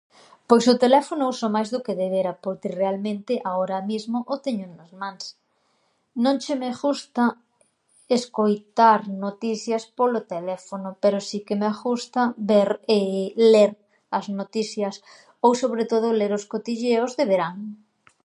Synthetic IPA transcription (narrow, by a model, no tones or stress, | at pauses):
pojsʊt̪elɛfonʊusomajzðʊkeðeβeɾapoɾt̪irealmẽnt̪ɪʔaoɾɐmizmoʔot̪eɲʊnɐzmãŋs | nõŋt͡ʃemeʃust̪ɐ | eskojt̪aɾnot̪iθjɐspolot̪elɛfonʊpeɾosikemeaxust̪ɐbeɾeleɾ | ɐznot̪iθjɐs | owsoβɾet̪oð̞ʊleɾoskot̪iʒeozðeβeɾaŋ